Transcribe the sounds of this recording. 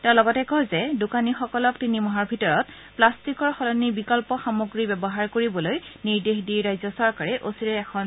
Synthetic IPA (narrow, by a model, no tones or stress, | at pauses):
tɛʊ̃lɔɡɔtɛkɔjzɛdukanixɔkɔlɔktinimɔɦaɹbʱitɔɹɔt | plastikɔɹxɔlɔnibikɔlpɔxamoɡɹibɛbɔɦaɹkoɹibɔlojniɹdexdiɹajzɔsɔɹkaɹɛʔosiɹɛɛkʰɔn